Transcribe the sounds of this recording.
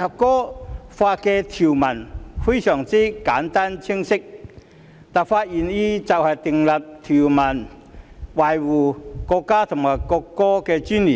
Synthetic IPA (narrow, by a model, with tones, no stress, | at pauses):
hɐ˨˩p̚kɔː˦˥faː˧t̚kɛ˧t̪ʰi˨˩wmɐ˨˩nfe˥jsœː˨˩ŋt͡si˥kaː˨˥nt̪a˥nt͡ɕʰi˥ŋsɪ˥k̚ | t̪a˨nfaː˧t̚ji˨˩ni˧t͡sɐ˨˩whɐ˨jt̪i˨˩ŋlɐ˨˩p̚t̪ʰi˨˩wmɐ˨˩n | wa˨˩jwuː˨˩kɔ˧kːaː˥t̪ʰʊ˨˩ŋmaː˨˩jkɔ˧kːɔː˥kɛ˧t͡ɕy˥ni˨